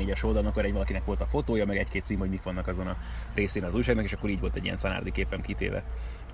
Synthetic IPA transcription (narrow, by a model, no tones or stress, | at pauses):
eːɟɛʃold̪ɒlmɒkːoɾɛɟʋɒlɒkinɛkʋo̞lt̪ɒfo̞t̪oːjɒmɛɡɛckeːt̪siːmhoɟmikʋɒnːɒkɒzo̞nɒreːseːnɒzuːjʃaːɡnɒkeːʃɒkːo̞ɾiːɟʋo̞lt̪ɛɟːijɛ̰nsɒna̰ːrd̪ikeːpɛmkit̪ḛːvɛ̰